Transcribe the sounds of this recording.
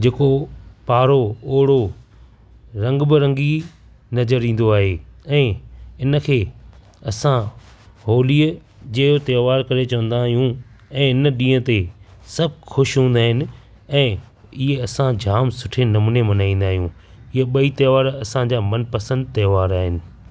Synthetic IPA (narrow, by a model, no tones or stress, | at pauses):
d͡ʑeːkopaːɾooːɽo | ɾɐ̃ŋɡbɪɾɐ̃ŋɡi | nɐzəɾĩːn̆d̪oaːɦeɛ̃ːɪnə̆kʰeː | ɐsã | ɦoːli | d͡ʑɐːjot̪eːʋaːɾkɐɾet͡ɕɐʋə̃nd̪aːɦijũɛ̃ːɪnəɗĩːə̃t̪esɐb̚ʱxʰʊʃɦũːn̆d̪aːɦɪnɪ̆ | ɛ̃ː | ɪɦeɐsãd͡ʑʱaːmsʊʈʰenɐmunemɐnaːĩːn̆d̪aːɦijũ | ieɓɐit̪ɐːʋaːɾɐsãd͡ʑaːmɐnpɐsə̃nd̪̚t̪ɐːʋaːɾaːɦɪnɪ̆